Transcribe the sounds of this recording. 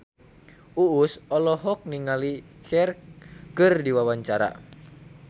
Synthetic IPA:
uusɔlɔɦɔk̚niŋali | hɛrkɨrdiwawaɲt͡ʃaɾa̰

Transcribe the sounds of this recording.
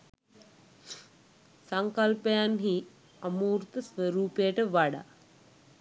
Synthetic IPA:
sɐŋkɐlpejanɦi | ɐmuːɾt̪əsʋəɾuːpejəʈəʋaɽa̰

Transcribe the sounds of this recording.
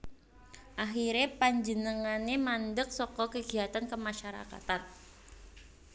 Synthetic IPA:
ʔaɦiɾepaɲd͡ʒənəŋanemandək̚sɔkɔkəɡiat̪ankəmaʃaɾa̰ka̰t̪an

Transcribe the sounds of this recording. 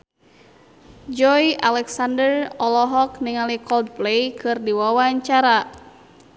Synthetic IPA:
d͡ʒɔjʔalɛksandərɔlɔɦɔkniŋalikɔld̚plejkʰɨrdiwawaɲt͡ʃaɾa

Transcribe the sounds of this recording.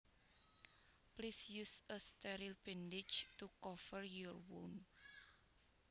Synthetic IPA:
plisjusəst̪ɛɾilpɛ̃ndɪd͡ʒtukɔfəɹjɔɹwṵm

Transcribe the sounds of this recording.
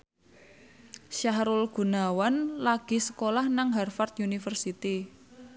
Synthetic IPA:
ʃahɾʊlɡ̥ṳnawanlaɡ̥i̤sə̥kolahnaŋɦarfart̪junifərsit̪i

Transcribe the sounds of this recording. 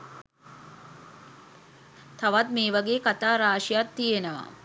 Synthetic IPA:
t̪aʋat̪meːʋaɡeːkat̪aːɾaːʂijat̪ːijenəʋa̰

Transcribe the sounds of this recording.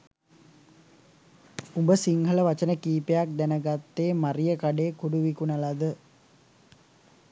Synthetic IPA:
umbəsiŋɦələʋat͡ʃənəkiːpejak̚d̪ænəɡat̪ːeːmaɾijəkaɖeːkuɖuʋikunəlad̪ə

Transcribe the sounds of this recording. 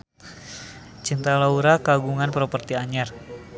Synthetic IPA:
t͡ʃint̪alauɾakaɡuŋanpɾɔpərt̪iaɲar

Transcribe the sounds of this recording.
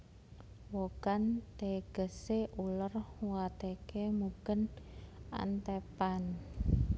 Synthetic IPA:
woɡant̪eɡ̥ə̤seʔulərwat̪ekemuɡ̥ənʔa̰nt̪epan

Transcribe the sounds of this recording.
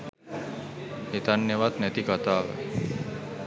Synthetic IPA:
et̪anːeʋat̪nɛt̪ikat̪aːʋə̰

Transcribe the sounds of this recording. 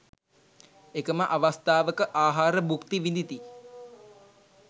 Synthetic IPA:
ekəməʔaʋast̪aːʋəkəʔaːɦaːɾəbukt̪iʋind̪it̪i

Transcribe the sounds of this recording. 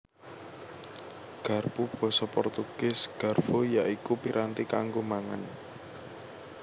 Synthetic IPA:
ɡ̥a̤rpub̥ɔ̤sɔpɔrt̪uɡ̥ɪ̤sɡ̥a̤rfojaʔikupiɾant̪ikaŋɡomaŋa̰n

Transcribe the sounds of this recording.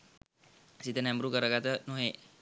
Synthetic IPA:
sit̪anambɾukaɾakat̪anoɦeʔ

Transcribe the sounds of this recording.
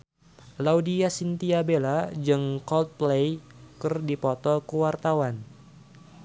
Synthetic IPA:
laudiasint̪iabelad͡ʒɨŋkɔlt̪̚plejkɨrdipɔt̪ɔkəwart̪awan

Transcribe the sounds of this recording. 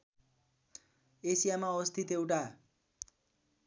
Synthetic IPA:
esijamaʌst̪ʰit̪ewʈa

